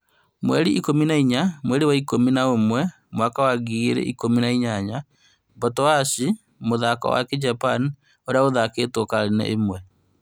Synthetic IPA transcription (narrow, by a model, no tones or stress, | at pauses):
mwɛ̰ɾiʔikominaiɲamwɛɾiwaikominaomwɛ | mwakawaɣiɾḛʔikominaiɲaɲa | bɔtɔasi | moðaka̰wa̰ked͡ʒapan | oɾeaoðaketwokaɾenɛ̰ʔemwɛ